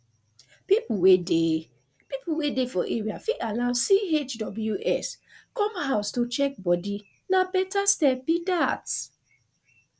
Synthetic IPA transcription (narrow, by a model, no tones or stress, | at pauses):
pipuwede | pipuwedefɔʔeɹiafialaʊsiet͡ʃdɔbljuʔɛs | kɔ̃mhaʊstot͡ʃɛk̚bɔdi | nabɛtastɛp̚bidats